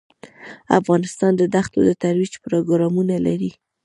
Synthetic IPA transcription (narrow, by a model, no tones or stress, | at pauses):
a̰fɣɑnɪst̪ɑnd̪əd̪axt̪od̪ət̪aɾwid͡ʒpɾoɡɾɑmunalaɾi